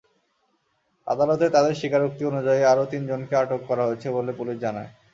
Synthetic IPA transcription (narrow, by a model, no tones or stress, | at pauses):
a̰d̪alot̪et̪ad̪eɾʃikaɾuk̚t̪ionud͡ʑajeaɾot̪ind͡ʑonkeaʈokːɔɾaɦoet͡ɕʰebolepuliʃd͡ʑanae